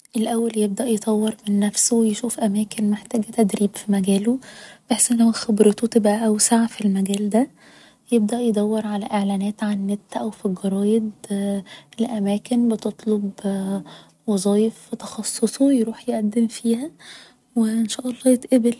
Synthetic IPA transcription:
ʔelʔæwːæljeb̚d̪æʔjet̪ˤɑwːeɾmenːæfsowjʃuːfʔæmæːkenmeħt̪æːɡæt̪æd̪ɾiːbfimæɡæːlobeħsʔenːhowæxebɾet̪ot̪ebʔæʔæwsaʕfilmæɡæːld̪æ | jeb̚d̪æʔjed̪ˤæwːeɾʕalæʔeʕlæːnæːt̪ʕanːet̪ːʔæwfiɡɑɾˤɑːjed̪ | elʔæmæːkenbet̪ot̪ˤlob | wɑzˤɑːjefet̪ɑ̥xɑsˤːosˤojɾuːħjeʔæd̪ːemfiːhæ | weʔenʃæːʔɑlˤːɑːjet̪ʔebel

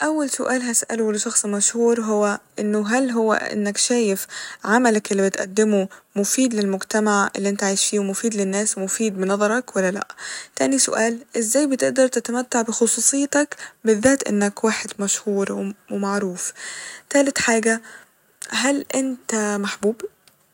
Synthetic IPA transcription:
ʔawːalsʊʔaːlɦasʔa̰lulʃɑxsˤmaʃhuːɾɦʊwːaʔɪ̰nːʊɦalɦʊwːa̰ʔɪ̰nːakʃaːjɪfʕamalakʔɪlːibɪt̪ʔa̰d̪ːɪmʊmʊfiːd̪lɪlmʊɡt̪amaʕʔɪ̰lːiʔɪnt̪aʕaːjʃfiːwmʊfiːd̪lɪnːaːsmʊfiːd̪̚bɪnɑðˤɑɾˤɑkwalːala̰ʔt̪aːnisʊ̰ʔaːlʔɪzːaːjbɪt̪ɪʔd̪ɑɾˤt̪ɪt̪amat̪ːaʕbɪxʊsˤuːsˤɨjːt̪akbɪðːaːt̪ʔɪ̰nːakwaːħɪd̪maʃhuːɾwmaʕɾuːft̪aːlɪt̪ħaːɡa | ɦalʔɪnt̪amaħbuːb

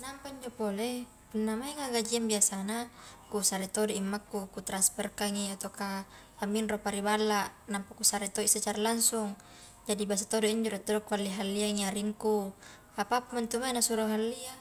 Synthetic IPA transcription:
nampaiɲd͡ʒopole | punːamaiŋaɡad͡ʒiambiasanakusaɾit̪odoimːakːukut̪ɾanspɛrkaŋiat̪oka | amːinropaɾibalːaʔnampakusaɾet̪oisat͡ʃaɾalaŋsuŋ | d͡ʒadibas̬at̪odoiɲd͡ʒoɾɛt̪ːodokualːiɦalːiaŋiaɾiŋku | apapumant̪umainasuɾoɦalːia

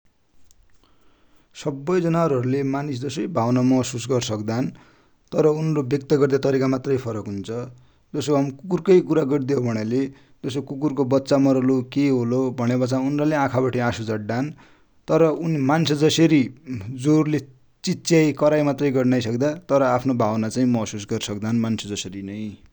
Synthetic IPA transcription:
sʌbːʌjd͡zʌnaʌɾuɦʌɾulemanisd͡zʌsʌjbʱawnamʌʌsusɡʌrsʌkd̪an | t̪ʌɾʌunrobjʌk̚t̪ʌɡʌrd̪at̪ʌɾikamat̪rʌjpʰʌɾʌkɦunt͡sʰʌ | d͡zʌsoɦamkukurkʌjkuɾaɡʌrd̪ijʌwbʱʌɽ̃ale | d͡zʌsokukurkobʌtːsamʌɾʌlokeɦolobʱʌɽebʌt͡saunraleãkʰabaʈiãsud͡zʌʈɖan | t̪ʌɾʌunimansʰʌd͡zʌseɾid͡zorle | t͡sitt͡sːjajkʌɾajmat̪rʌjɡʌrnʌjsʌkd̪at̪ʌɾʌapʰnobʱawnat͡saĩmʌɦsusɡʌrsʌkd̪anmansʰʌd͡zʌsʌɾinʌj

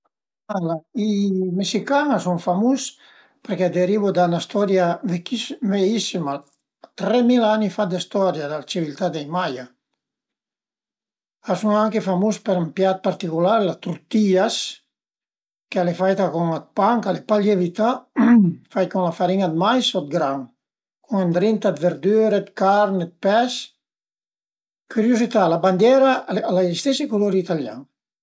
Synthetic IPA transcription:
alaimesikaŋasuŋfamus | peɾkɛd̪eɾiβod̪anast̪ɔɾjavekisveisima | t̪ɾɛmilanifad̪ist̪ɔɾjad̪alt͡ʃivilt̪ad̪ejmaja | asuŋaŋkefamuspeɾampjat̪̚paɾt̪ikulaɾlat̪uɾt̪ias | kealefajt̪akuŋat̪̚paŋkalepalevit̪a | fajkuŋlafaɾiŋad̪̚majsɔt̪̚ɡɾaŋ | kuŋend̪ɾint̪ad̪veɾd̪yɾet̪kaɾnet̪̚pɛs | kyɾjuzit̪alaband̪jɛɾaalajist̪ɛsikuloɾiːt̪alja̰ŋ

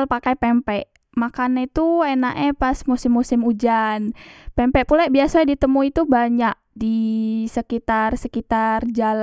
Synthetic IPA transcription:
lpakajpɛmpɛʔ | makaneit̪uenaʔepasmusɪmːusɪmud͡ʒanpɛmpɛʔpulaʔbiasadit̪əmuit̪ubaɲaʔ̚disəkit̪arsəkit̪ard͡ʒal

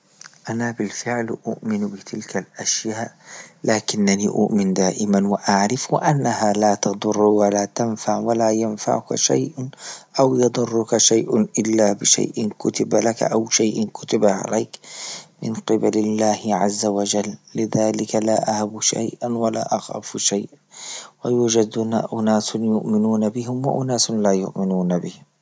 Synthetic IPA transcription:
ʔanabɪlfɪʕlʔʊʔmɪnbɪt̪ʰɪlkalʔaʃjaːʔlaːkɪnːaniʔʊ̰ʔmɪnd̪aːʔɪmanwaʔaʕɾɪfwɪ̰ʔanːahalaːt̪ɑd̪ˤʊrːwalaːt̪anfaʕwalaːjanfa̰ʕʊka̰ʃa̰jʔʔawjɑd̪ˤʊrːʊkaʃajʔʔɪlːaːbɪʃa̰jʔɪnkʊt̪ɪbalaka̰ʔawʃajʔɪnkʊ̥t̪abaʕa̰laːkmɪnqɪbalɪlːaːhɪʕazːawad͡ʒalːɪðaːlɪkalaːʔahabuʃa̰jʔanwala̰ːʔaxa̰ːfʃajʔ | wajuːd͡ʒad̪ʊna̰ʔʊnaːsnjʊʔmɪnuːnabɪɦɪmwa̰ʔʊnaːsʊnlaːjʊ̰ʔmɪnuːnabɪhɪm

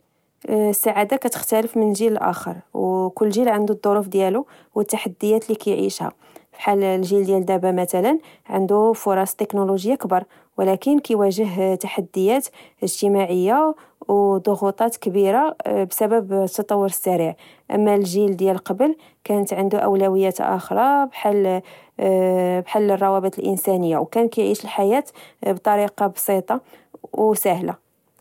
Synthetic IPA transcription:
sːaʕad̪akæt̪ə̥xt̪æləfmənʒiləlʔæ̰xə̰ɾˤwkʊlːʒilʕənd̪ud̪ˤːoɾufd̪jælu | wət̪ːaħad̪ːəjːæt̪likæjʕḭʃha̰ | fiħallʒild̪jæld̪æbæmæt̪ælən | ʕənd̪ufʊɾˤɑst̪ːəknuluʒəjːakəbɑɾˤ | wlækənkæjwæʒəɦt̪aħad̪ːəjːæt̪ | əʒt̪əmaʕəjːa | wd̪ˤoɣut̪ˤɑt̪kəbiɾabsæbəbt̪ːɑt̪ˤɑwːʊɾəsːæɾiʕ | ʔə̰mːælʒild̪jælqɑbəl | kænət̪ʕənd̪uʔə̰wlæwəjːæt̪ʔæ̰xɾˤɑbħal | bħalːərˤːɑwæbət̪əlʔə̰nsænəjːawkænkijʕiʃəlħajæt̪bt̪ˤɑɾiqɑbsit̪ˤɑ | wsæhla̰

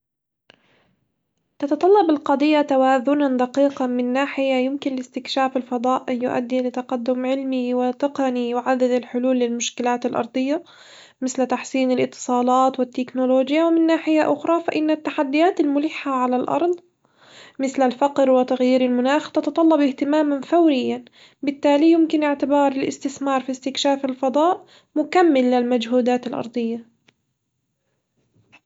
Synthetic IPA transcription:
t̪ɑt̪ɑt̪ˤɑlːɑbɪlqɑd̪ˤɪjːat̪awaːðʊnand̪aqiːqɑnmɪnːaːħɪjajɪmkɪnlɪst̪ɪkʃaːfɪlfɑd̪ˤɑːʔʔjʊʔa̰d̪ːilɪt̪ɑqad̪ːʊmʕɪlmiwɪt̪ɪqɑnijɪʕad̪ːad̪ɪlħʊluːlːɪlmʊʃkɪlaːt̪alʔɑ̰ɾˤd̪ˤɨjːa | mɪθlt̪aħsiːnɪlʔɪt̪ːɨ̥sˤɑːlɑːt̪wɪt̪ːɪknʊloːd͡ʒjawɪmɪnːaːħɪjaʔʊxɾˤɑfaʔɪnːat̪ːaħad̪ːɪjaːt̪almʊlɪːħːaʕalalʔɑ̰ɾˤd̪ˤ | mɪθlalfaqɾwɪt̪aɣjiːɾɪlmʊnaːxt̪ɑt̪ɑt̪ˤɑlːɑbʔɪht̪ɪmaːmanfawɾɪjːan | bɪt̪ːaːlijʊmkɪnʔɪʕt̪ɪbɑːɾˤɪlʔɪ̰st̪ɪθmɑːɾˤfist̪ɪkʃaːfɪlfɑd̪ˤɑːʔ | mʊkamːɪlːɪlmad͡ʒɦuːd̪aːt̪ɪlʔɑ̰ɾˤd̪ˤɨjːa

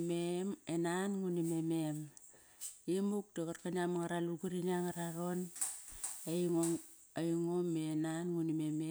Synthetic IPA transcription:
memenanŋunimemem | imuk̚dekaɾkaniamaŋaɾaluɡuɾiniaŋaɾaɾo̞n | ejŋo | ajuŋomːenanŋunimeme

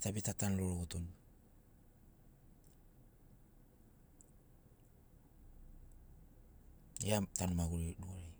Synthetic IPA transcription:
tabitatanloɾoɡoton | iatanmaɡuɾeɾuaɾe

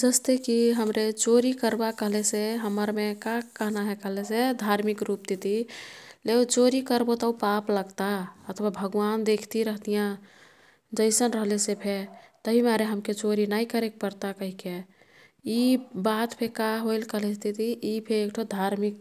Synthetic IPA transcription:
d͡ʒəst̪ekiɦəmɾet͡ʃoɾikəɾbakəɦleseɦəməɾmekakəɦnaɦɛkəɦlesed̪ʱaɾmikɾup̚t̪it̪ileot͡ʃoɾikəɾbot̪aupapləɡt̪aət̪ʰwabʱəɡʋand̪ekʰt̪iɾəɦt̪ijã | d͡ʒəɪsənɾəɦlesepʰet̪əɦimaɾeɦəmket͡ʃoɾinaikəɾek̚pəɾt̪akəɦike | ibat̪pʰekaɦoɪlkəɦlest̪ʰit̪iipʰeːkʈʰod̪ʱaɾmik̚

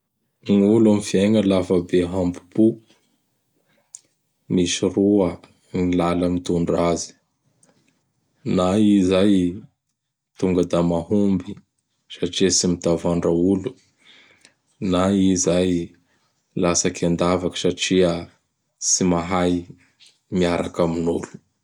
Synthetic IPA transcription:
ŋulamifiaŋəlafəbeɦambu̥pu | misiruə | nilaləmit̪uɳɖ͡ʐazi̥ | naizaj | t̪uŋɡəd̪amahumbi | saʈ͡ʂiəsimit̪avaɳɖ͡ʐaulu | naizaj | lasakand̪avakə̥saʈ͡ʂiə | simaɦaj | miaɾakaminulu̥

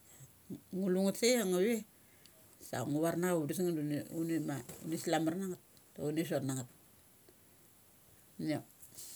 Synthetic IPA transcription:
ŋuluŋatseaŋaβe | sa̰ŋuβaɾnaudisiŋandununimaṵnislamarnaŋat̚ː | aunis̬otnaŋat̚ | na

